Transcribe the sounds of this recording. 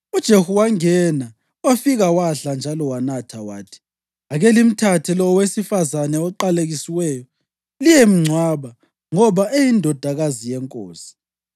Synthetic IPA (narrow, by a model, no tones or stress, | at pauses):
ud̥ʒ̥ʱehuwaŋɛna | wafiɣawaɬand͡ʒʱalɔwanatʰawaːtʰi̥ | aɣɛlim̩tʰatʰɛlɔwesifazanɛɔǃaleɣisiwɛjɔ | lijɛm̩ŋ͡ǀʱwaβa | ŋɔβaejindʱɔd̥ʱaɣazijɛŋkʼo̰ːsi̥